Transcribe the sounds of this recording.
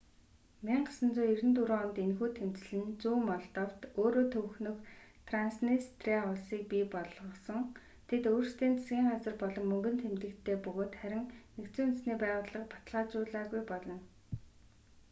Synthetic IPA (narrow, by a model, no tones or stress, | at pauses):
miɴɢasə̆nt͡sʊːiɾɘ̆nt̪uɾoːɔmt̪enxuːt̪ʰemt͡sɘ̆ɮɘ̆nt͡suːmɔɮt̪ə̆w̥t̪oːɾoːt̪ʰɵwxnɵ̆xt̪ʰransnist̪ʰreɔɮsiːk̚pipɔɮʁɞ̆sɞ̆ŋ | t̪ʰet̪oːrst̪ʰiːnt͡sʰḁsɡʲiːɴɢat͡sə̆rpɔɮɞ̆mːɵŋɡɵ̆nt̪ʰemt̪ɘ̆kt̪ʰeːpɵɣoːt̪χæɾʲɪ̆ŋnekt͡suːunsniːpæːʁʊːɮə̆qpḁt̪ɮaːt͡ɕʊːɮaːɣujpɔɮɞ̆n